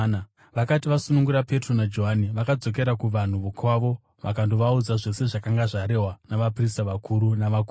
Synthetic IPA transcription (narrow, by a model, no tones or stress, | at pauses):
ʋakatiʋasunuŋɡuɾape̞tronad͡ʒo̞ɦaniʋakad͡zo̞k̬e̞ɾakuʋan̤uʋukʰwaʋo̞ | ʋakandoʋaud͡zaʐe̞se̞ʐakaŋɡaʐaɾe̞ɦwanaʋapristaʋakʰuɾunaʋaku